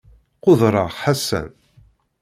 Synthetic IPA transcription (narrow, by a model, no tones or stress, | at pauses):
qʊðɾˤɑʁħasːæ̰n